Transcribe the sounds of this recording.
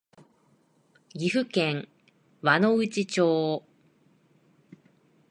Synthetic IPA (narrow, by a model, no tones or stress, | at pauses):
ɡʲiɸɯ̟kẽ̞ŋ | βano̞ɯ̟t͡ɕit͡ɕoː